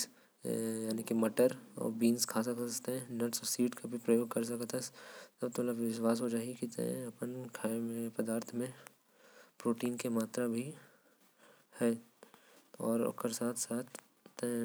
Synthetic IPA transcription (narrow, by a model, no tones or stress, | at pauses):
jaːnikimɐʈəɾɔ̰ːɾbiːnskʰaːsəkt̪eɦɛ̃nɐʈsɔsiːʈkabʱipɾɐjoːɡ̚kɐɾs̬ɐkt̪əst̪ɐb̚t̪omət̪ləbʋɪʃwaːs̬ɦod͡ʒaːikit̪ɐpənkʰamẽpɐd̪aːɾt̪ʰmẽ | pɾoːʈiːnkemaːt̪ɾabʱi | hɛː | ɔːɾo̰kəɾsaːt̪ʰsaːt̪ʰ